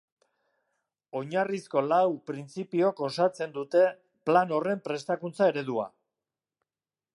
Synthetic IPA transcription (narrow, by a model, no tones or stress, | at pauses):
o̞ɲarisko̞lawpɾint͡sipio̞ko̞sat͡se̞nd̪ut̪e̞ | plano̞re̞mpɾe̞st̪akunt͡sae̞ɾe̞ð̞ua̰